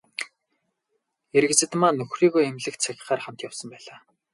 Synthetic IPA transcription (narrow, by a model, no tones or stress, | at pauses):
eɾ̆ɣɘ̆t͡sɘ̆t̪maːnɵxriːɣojemɮɘ̆kt̪t͡sʰæxʲɪ̥̆χaːrχam̥t̪jawsə̆mpæːɮaː